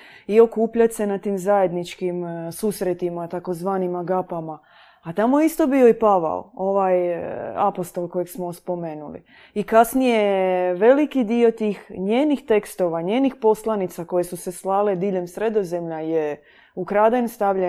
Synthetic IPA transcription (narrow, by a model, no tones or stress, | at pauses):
io̞kuːpʎat̪se̞nat̪iːmzaje̞d̪nit͡ʃkimsusɾet̪imat̪ako̞zʋaːnimaɡapamaː | t̪amojeist̪o̞bio̞ipaʋa̰o̰o̞ʋaːja̰post̪o̞lko̞jeɡsmospo̞me̞ːnulḭ | ikasnije̞ʋe̞likid̪io̞t̪iːxɲeːnixt̪e̞kst̪o̞ʋaɲeːnixpo̞slˠanit̪sako̞je̞suseslaːle̞d̪iʎe̞msɾe̞d̪o̞zemʎaje | ukɾaːd̪anst̪aʋʎe